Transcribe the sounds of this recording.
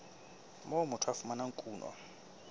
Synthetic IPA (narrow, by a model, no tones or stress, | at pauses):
momutʰwafumanaŋkʼuːnɔ̰